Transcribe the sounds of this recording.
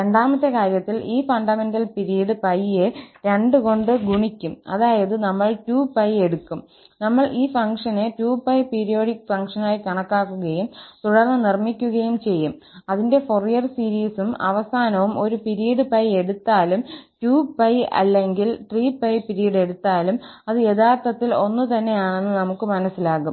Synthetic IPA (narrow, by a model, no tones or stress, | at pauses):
ɾeɳɖaːmɐt̪ːekaːɾjɐt̪ːiliːfɐɳɖɐme̞ndɐlpiɾijɐɽɨpɐjeɾe̞ɳɖɨko̞ɳɖɨɡuɳikʲːumɐ̰ðaːjɐðɨnɐmːɐɭtuːpɐje̞ɽukːum | nɐmːɐɭʔiːfɐŋkʂɐnetuːpːɐjpiɾijo̞ːɽikːfɐŋkʂɐnaːjikɐɳɐkːaːkːuɣɐjumt̪uɽɐlɐnirmikʲːuɣɐjumt͡ɕe̞jːum | ɐðinde̞forijɐrsiːɾiːsumɐ̰ʋɐsaːnɐʋumo̞ɾupiɾijɐɽɨpɐje̞ɽut̪ːaːlumtuːpɐjɐ̰lːe̞ŋɡilʈriːpɐjpiɾijɐɽe̞ɽut̪ːaːlumɐðɨe̞ðaːrt̪ɐt̪ːilo̞nːut̪ɐnːe̞jaːɳenːɨnɐmukːɨmɐnɐsːilaːkum